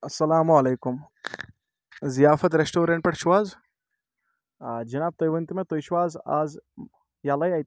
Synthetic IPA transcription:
ɐsːɐlaːmuɐleːkum | zijaːfɐt̪ɾesʈoːɾeɳʈ̚pɐʈʰʃuʋaːz | d͡ʒɐnaːb̚t̪ojʋɐnt̪imẽt̪ojʃʋaːza̰ːz | jaːlajaːjt̪

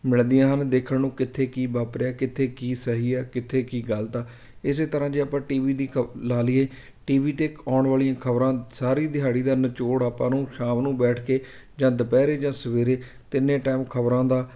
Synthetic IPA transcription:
mɪɭd̪ijãːɦənd̪eːkʰəɳnũːkɪt̪ʰːeːkiːbaːpɾjaːkɪt̪ʰeːkiːsəɦiːɛːkɪt̪ʰːeːkiːɡəlt̪aː | ɪs̬eːt̪əɾãːd͡ʒeːaːpãːʈiːʋiːd̪iːkʰlaːlɪjeː | ʈiːʋiːt̪eːkaːɳʋaːlijãːkʰəbɾãːsaːɾiːd̪ɪɦaːɽiːd̪aːnət͡ʃoːɽaːpãːnũːʃãːmnũːbɛːʈʰkeː | d͡ʒãːd̪əpɛːɾeːd͡ʒãːsəʋeːɾeː | t̪ɪnːẽːʈaːmkʰəbɾãːd̪aː

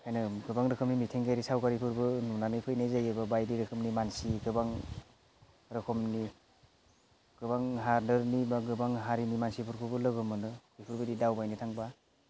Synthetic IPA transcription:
kʰajnɯɡɯbaŋɾɯkʰɯmnimitʰeŋɡaɾisawkaɾipʰɯɾbɯnunanɯjpʰɯjnejzajɯbɯbajdiɾɯkʰɯmnimansiɡɯbaŋ | ɾɯkʰɔmni | ɡ̥ɯbaŋɦaɾdɯɾnibaɡɯbaŋɦaɾinimansipʰɯɾkʰubɯlɯɡɯmɯnɯkɯjpʰɯɾbɯdidawbajnitʰaŋba

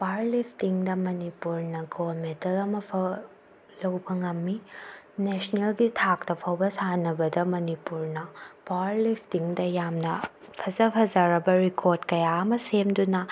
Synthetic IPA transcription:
paɾlipʰtiŋdɐmɐnipuɾnɐɡolmetɐlɐmɐpʰɐ | lɐwbɐŋɐmːi | nesnelɡitʰak̚tɐpʰɐwbɐsanɐbɐdɐmɐnipuɾnɐpaɾlipʰtiŋdɐjamnɐ | pʰɐzɐpʰɐzaɾɐbɐɾikʰoɾdkɐjaɐmɐsemdunɐ

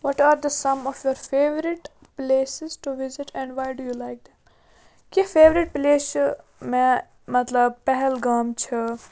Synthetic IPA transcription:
ʋɔʈaːɾd̪əsɐ̃mɔfjɔɾfeːʋɾɪʈ | pleːsɪzʈuʋɪzɪʈɛ̃ɳɖʋaːjɖujuːlaɪk̚d̪ɛm | kefeːʋɾɪʈ̚pleːs | mɛ̃ | mɐt̪ləb̚pɛɦɛlɡaːmt͡ʃʰə

